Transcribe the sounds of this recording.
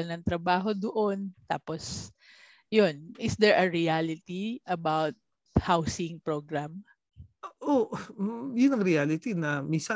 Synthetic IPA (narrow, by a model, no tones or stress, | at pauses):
ɐnɐŋt̪ɾɐbaːɦo̞d̪oʔont̪a̰ːpos | jonʔɪsd̪ɛɹʔɐɹialɪt̪iʔɐbawt̪̚ | hawsɪŋpɹoɡɹam | ʔo | jʊnːɐŋɾɪalɪt̪inɐminsɐ